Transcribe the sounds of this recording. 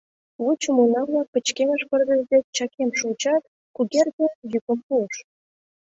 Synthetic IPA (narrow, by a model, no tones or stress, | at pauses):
vut͡ɕumunɑβlɑpə̆t͡ɕkʲemɑʃpə̆rɣə̆zd̪et͡ɕɑkʲemʃut͡ɕɑt̪ | kuɣʲerd̪ʲejukə̆mpuəʃ